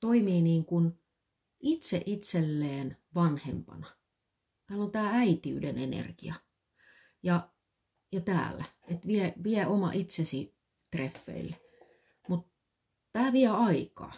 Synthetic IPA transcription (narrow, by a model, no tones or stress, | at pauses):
t̪oimiːniːŋkun | it̪sḛʔit̪selːeːnʋɑnhḛmpɑ̰nɑ | t̪æːlont̪æːæit̪iydenenḛrkḭɑ | jɑ | jɑt̪æ̰ːlːæ | et̪ʋiɛʋiɛomɑ̰ʔit̪sesi | t̪refːḛilːe | mut̪ | t̪æːʋiɛɑikɑ̰ː